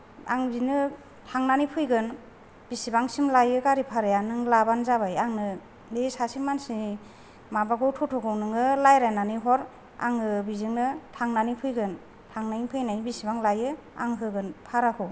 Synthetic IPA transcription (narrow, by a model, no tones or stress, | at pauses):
a̰ŋbinɯ | tʰaŋnanipʰɯjɡɯn | b̥isibaŋsimlajɯkaɾipʰaɾajanɯŋlabanzabajaŋnɯ | esasimansi | mabaɡʰɯwtʰutʰɔɡʰɯwnɯŋɯlajɾajnaniɦɔɾ | a̰ŋɯbizɯŋnɯtʰaŋnanipʰɯjɡɯn | tʰaŋnajiŋpʰɯjnajbisibaŋlajɯ | a̰ŋɦɯɡɯnpʰaɾakʰɯw